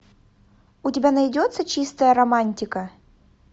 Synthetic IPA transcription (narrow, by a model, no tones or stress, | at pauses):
ʊtʲɪbʲanɐjdʲot̪sət͡ɕist̪əjəɾɐmanʲtʲɪkə